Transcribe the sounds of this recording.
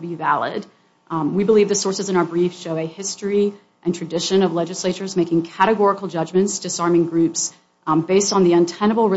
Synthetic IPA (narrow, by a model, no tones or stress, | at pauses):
bivælˠɪ̰d | wibəlivðɨsɔɹsɨzɨ̃naʊə˞bɹifʃoʊɨhɪstɹ̥i | ʔɨ̃ntʰɹ̥ɨdɪʃɨ̃nʌvlɛd͡ʒɨsleɪt͡ʃə˞zmeɪkɪ̃ŋkʰæɾɨɡɔɹəkl̩ˠd͡ʒʌd͡ʒmɨ̃ntsd̥ɨsɑɹmɪ̃ŋɡɹʉps | beɪstn̩ðiɨ̃ntʰɛ̃ñəbl̩ˠɹɨ